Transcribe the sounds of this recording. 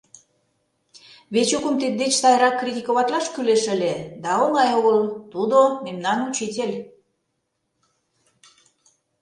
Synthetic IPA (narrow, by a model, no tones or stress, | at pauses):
βet͡ɕokəmt̪et̪̚d̪et͡ɕsɑjɾɑkːrit̪ʲikoβɑt̪lɑʃkyleʃə̆lʲed̪ɑoŋɑjoɣəlt̪ud̪omemnɑnut͡ɕit̪ʲelʲ